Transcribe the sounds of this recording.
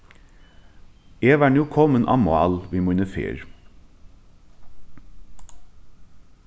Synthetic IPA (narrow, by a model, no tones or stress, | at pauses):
eːʋæːnuːkʰɔmənʔɑ̰ːmʊɑ̰ːlʋiːmʉnəfḛːɾ